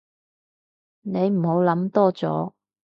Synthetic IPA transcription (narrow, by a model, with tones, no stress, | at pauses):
ne˨˧jm̩˨˩ho˨˥wlɐ˨˥mt̪ɔː˥t͡sɔ̰ː˨˥